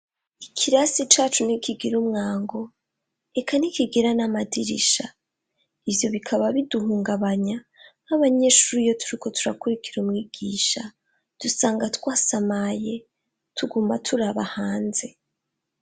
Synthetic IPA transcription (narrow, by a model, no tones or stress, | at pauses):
ikʰiɾasit͡ʃaːt͡ʃunikiɡiɾumŋaːŋɡo̞ | e̞kanikiɡeɾanamadiɾḭʃa | ivjo̞βikʰaβaβiduhuːŋɡaβaɲanaβaɲe̞ʃuɾijo̞tuɾiko̞tuɾakuɾikiɾumŋiːɡ̥iːʃa | d̥usaːŋɡatwaːsamaje̞ | tʰuɡuːmatʰuɾaβahaːnze̞